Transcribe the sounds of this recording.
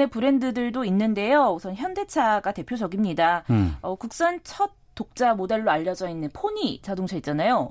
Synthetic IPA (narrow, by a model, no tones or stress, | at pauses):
epɯɾe̞ndɯdɯɭdoinːɯnde̞jousʰʌnçjʌnde̞t͡ɕʰaɡate̞pʰjod͡ʑʌɡimɲidaʌkuk̚s͈ʌnt͡ɕʰʌt̚t͈ːok̚t͡ɕ͈amode̞ɭːoaʎːʌd͡ʑʌinːɯnpʰoɲit͡ɕadoŋt͡ɕʰʌit̚t͡ɕ͈anajo